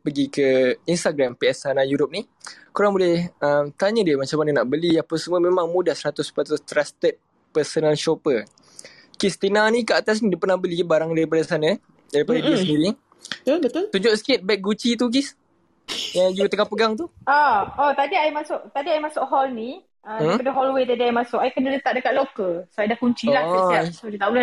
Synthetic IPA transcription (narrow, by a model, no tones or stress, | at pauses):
pəɡikəinst̪aɡɾampiɛsanajuɾop̚ni | kuɾaŋbolɛhəmt̪aɲədiəmat͡ʃamanənaʔbəlijapəsəməmẽmãŋmudahsəɾat̪ʊspɾat̪ʊst̪ɾast̪ət̪̚ | pəsonəlʃopə | kist̪inanikəat̪as̬nĩdipənahbəlibaɾaŋdaɾip̬adasanã | daɾipadəisəndiɾi | bət̪ʊlt̪ud͡ʒʊʔsə̥kɪt̪̚bɛk̚ɡut͡ʃit̪̬uk̬is | jaŋd͡ʒuɡat̪əŋapəɡaŋt̪uʔaɔt̪adiajmasʊʔt̪adiajmasʊʔɦɔlni | ʔədaapadaɦɔlwet̪adiajmasʊʔajkənalət̪aʔ̚dəkat̪ʔ̪̚lokəsoajdahkuɲt͡ʃilahasod͡ʒit̪aʔbula